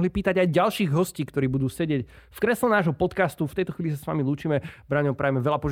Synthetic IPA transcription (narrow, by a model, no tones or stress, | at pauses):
ɦlipiːt̪aɟajɟalʃiːɣɦɔsciːkt̪ɔɾiːbud̪uːsɛɟɪɛc | fkɾɛslɛnaːʒɦɔpɔt̪kast̪uft̪ɛjt̪ɔxʋiːlis̬asʋa̰miluːt͡ʃiːmɛbɾaɲɔʊpɾaːjɛmɛʋɛlapɔʒ